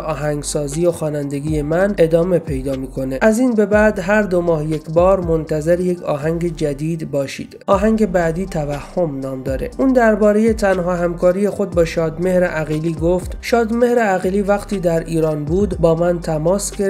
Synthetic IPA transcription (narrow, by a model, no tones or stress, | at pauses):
ʔɒːɦæŋɡsɒːziːjoxɒːnænd̪e̞ɡʲiːje̞mæne̞d̪ɒːme̞pʰe̞jd̪ɒːmiːkʰo̞neʔæziːnbe̞bæd̪ɦæɾd̪o̞mɒːhje̞cʰbɒːɾmo̞nt̪ʰæze̞ɾje̞cʰɒ̰ːɦæŋɟe̞d͡ʒæd̪iːd̪bɒːʃḭːd̪̥ʔɒːɦæŋɟe̞bæːd̪iːt̪ʰævæhːo̞mnɒːmd̪ɒːɾe̞̰ʔuːnd̪æɾbɒːɾe̞je̞t̪ʰænɦɒːɦæmkʰɒːɾije̞xo̞d̪̚bɒːʃɒːd̪me̞hɾeʔæɣiːliːɡoft̪ʃɒːd̪me̞hɾeæɣiliːvæqt̪ʰiːd̪æɾiːɾɒːnbuːd̪bɒːmænt̪ʰæmɒːsɡe